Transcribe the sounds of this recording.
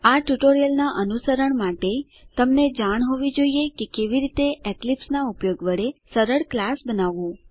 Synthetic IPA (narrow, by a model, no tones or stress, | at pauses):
aʈuʈoɾijəlnaʔənusəɾəɳmaʈe | t̪əmned͡ʒaɽ̃ɦoʋid͡ʒoiekekeʋiɾit̪eeklipsnaupjoɡʋəɭesəɾəɽklasbənaʋũ